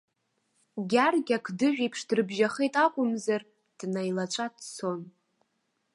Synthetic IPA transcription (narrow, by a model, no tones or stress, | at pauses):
ɡʲarɡʲakʰdɨʒᶣipʰʂdrɨbʒaχejtʼakʷʼʊmzar | d̥najlat͡ʃʷʼadsʰon